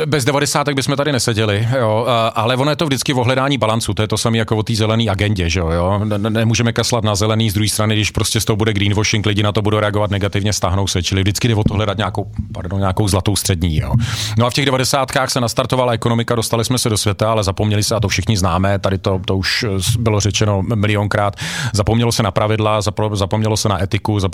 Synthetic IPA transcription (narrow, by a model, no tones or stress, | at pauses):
bɛzdɛvadɛsaːt̪ɛɡ̚bɪsmɛt̪adɪnɛsɛɟɛlɪjoʔalɛvonojɛt̪ovdɪt͡skɪvoɦlɛdaːɲiːbalant͡sut̪ojɛt̪osamiːjakovot̪iːzɛlɛniːʔaɡɛɲɟɛʒɛojoːnɛmuːʒɛmɛkaslat̪nazɛlɛniːzd̪ɾuɦiːst̪ɾanɪɡdɪʃpɾoscɛst̪oɦobudɛɡɾiːnvoʃɪŋklɪɟɪnat̪obudowɾɛaɡovat̪nɛɡat̪ɪvɲɛst̪aɦno̞wsɛt͡ʃɪlɪvdɪt͡skɪdɛvot̪oɦlɛdat̪ɲaːkowpa̰ɾdoɲaːkowzlat̪owst̪r̥ɛdɲḭːjo̰ːnoafcɛɣdɛvadɛsaːt̪kaːxsɛnast̪aɾt̪ovalaɛkono̞mɪkadost̪alɪsmɛsɛdosvjɛt̪aalɛzapomɲɛlɪsɛat̪ofʃɪxɲɪznaːmɛːt̪adɪt̪o̞t̪ouʃbɪlorɛt͡ʃɛno̞mɪlɪoŋkɾaːt̪zapomɲɛlosɛnapɾavɪdlazapzapomɲɛlosɛnaʔɛt̪ɪkuza